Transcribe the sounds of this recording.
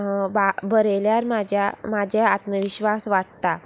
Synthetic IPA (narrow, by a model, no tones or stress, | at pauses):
babəɾeljaɾmad͡ʑʱjamad͡ʑʱeat̪məʋiɕʋasʋaʈ̚t̪a